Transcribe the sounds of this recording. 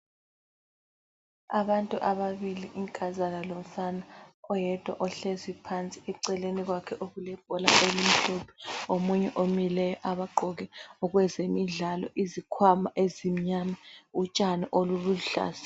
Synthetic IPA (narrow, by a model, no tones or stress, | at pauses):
aβantʼuʔaβaβiliʔiŋkʼazalalɔfanaɔjɛd̥ʱwa̰ʔɔɬezwipʰant͡sʼiɛǀɛleniɣwakʰɛʔoɣulɛb̥̚ʱɔla̰ʔelim̩ɬɔpʰi̥omuɲɛʔomilɛjɔʔaβaɡ͡ǃʱɔɣɛɔɣwɛzemiɮalɔ̰ʔizikʰwamaʔezim̩ɲamaut͡ʃʼaniʔoluluɬa̰ːsḁ